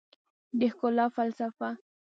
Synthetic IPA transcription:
d̪ɪxkolafalsafa

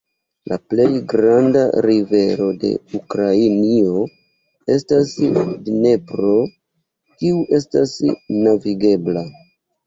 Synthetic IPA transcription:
laple̞jɡɾandaɾive̞ɾo̞de̞̰ukɾainio | e̞stasdne̞pɾo̞ | kiuʔe̞stasnaviɡe̞bla

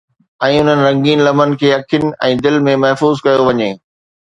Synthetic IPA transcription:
ɛ̃ːʊn̤ənɪ̆ɾɐ̃ŋɡiːnlɐmənɪ̆kʰeːɐkʰjʊnɪ̆ɛ̃ːd̪ɪlmẽmɐɦfuːzkɐjoʋɐɲeː

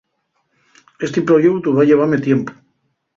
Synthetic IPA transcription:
est̪epɾoʝekt̪uβaʝeβ̞aɾmet̪jempo̥

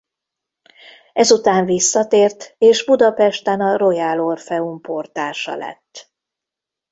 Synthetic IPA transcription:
ɛzut̪aːɱvisːɒt̪eːrt̪eːʒbud̪ɒpɛʃt̪ɛnɒɾo̞jaːlorfɛumport̪aːʃɒ̰lɛ̰t̪ː

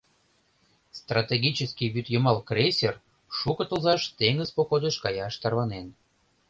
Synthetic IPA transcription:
st̪rat̪eɡʲit͡ɕəskiβyt̪jəmɑlkresʲer | ʃukə̆t̪ə̆lzɑʃt̪eŋəzpokod̪eʃkɑjɑʃt̪ɑrβɑnen

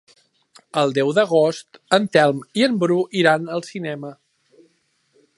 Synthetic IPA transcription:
əlˠd̪ɛwðəɣ̞ost̪ənt̪ɛlˠmiəmbɾuʔiɾanəlˠsinɛmə

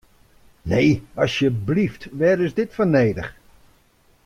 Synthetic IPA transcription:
neːɑsjəbliftʋɛɾɪzdɪtfɔneːdə̰χ

